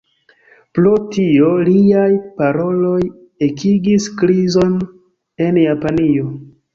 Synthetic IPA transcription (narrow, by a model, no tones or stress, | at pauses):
plotio̞liajpaɾo̞lo̞j | ekʰiɡiskɾizo̞n | e̞njapanio̞